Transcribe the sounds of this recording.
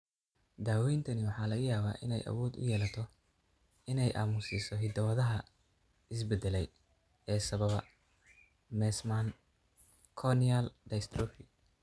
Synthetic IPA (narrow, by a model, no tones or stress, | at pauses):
d̪aːwɛjnt̪ʰɐnɪwɑħɑːlɐɣɐjaːβaːʔɪ̰nɛ̰jʔɐ̰wɔːd̪ʊ̰jɛːlɐt̪ʰɔ | ɪnɛjʔa̰ːmʊsɪsɔɦɪd̪ɐwɐðɐɦɐ | ɪs̬bɛd̪ɛlɛj | ɛːsɐβɐβɐ | mɛːsman | kʰɔnialɖɐst̪rɔfɪ